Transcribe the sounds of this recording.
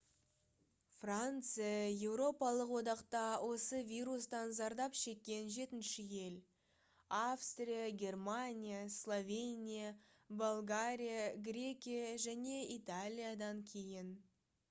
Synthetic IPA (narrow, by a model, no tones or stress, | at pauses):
frant̪sɨjaje̞wɾo̞pɑlˠəqwo̞d̪ɑqt̪ɑwʔo̞səvʲijɾust̪ɑnzɑɾd̪ɑpʃe̞kʲːe̞nʒe̞t̪ɪnʃɪje̞l | afst̪rʲijaɡʲe̞rmanʲijaslˠo̞vʲe̞nʲija | bolˠɡaɾʲijaɡrʲe̞kʲijaʒæne̞it̪alʲijad̪ɑŋkʲʰe̞jɪn